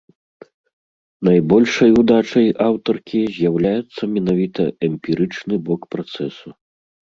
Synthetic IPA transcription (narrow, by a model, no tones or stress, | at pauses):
najbɔlʲʂɐjud̪at͡ʂɐjʔawt̪ɔrkʲizʲjawlʲajut̪sːɐmʲin̪avʲit̪ɐɛmʲpʲiɾɨt͡ʂnɨbɔkpɾat̪sɛsu